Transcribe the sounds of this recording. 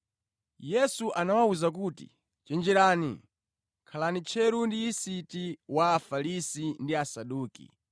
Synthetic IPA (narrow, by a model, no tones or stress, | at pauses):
jɛsuʔanawauzak̬uːtḭ | t͡ʃɛnd͡ʒɛɾaːnḭ | kʰalanit͡ʃʰɛɾundiːsitiwaːfalisindiasaɗuːkḭ